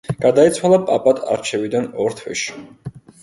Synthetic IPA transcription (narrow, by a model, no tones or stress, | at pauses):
ɡ̥ad̪ait̪sʰwalˠapʼapʼat̪ʰa̰ɾt͡ʃʰɛvid̪anɔɾt̪ʰwɛ̰ʃi̥